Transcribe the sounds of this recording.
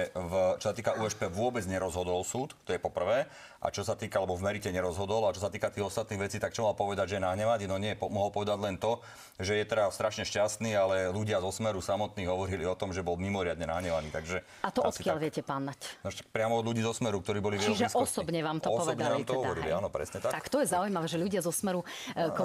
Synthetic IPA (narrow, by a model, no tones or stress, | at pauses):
vt͡ʃɔsat̪iːkaʔuːɛʃpɛʋʊɔbɛd͡zɲɛɾɔzɦɔd̪ɔlsuːt̪t̪ɔjɛpɔpr̩ʋɛː | ʔa̰t͡ʃɔsat̪iːkaalɛbɔvmɛɾicɛɲɛɾɔzɦɔd̪ɔlat͡ʃɔsat̪iːkat̪iːɣɔst̪at̪niːɣʋɛt͡siːt̪ak̚t͡ʃɔmalpɔʋɛd̪aɟʒɛjɛnaɦɲɛʋaninɔɲɛjɛpɔmɔɦɔlpɔʋɛd̪aɟlɛnt̪ɔ | ʒɛjɛt̪ɛɾast̪ɾaʃɲɛʃcast̪niːalɛluɟɪazɔsmɛɾusamɔt̪niːɣɦɔʋɔɾiliɔt̪ɔmʒɛbɔlmimɔɾɪad̪ɲɛnaɦɲɛʋaniːt̪aɡʒɛ | at̪ɔʔɔt̪kɪaalʋɪɛcɛpanːacnɔʃtak̚pɾɪamɔɔd̪ʎuɟiːzɔsmɛɾuk̚t̪ɔɾiːbɔliʋɛiʒɛsɔsɔbɲɛʋaːmt̪ɔɔpɔsʋɔɛbd̪ɛlaːmt̪ɔɦɔʋɔɾilḭanɔpɾɛ̰sɲɛt̪at̪akt̪ɔjɛzaujmaʋɛːʒɛʎuɟɪazɔsmɛɾuk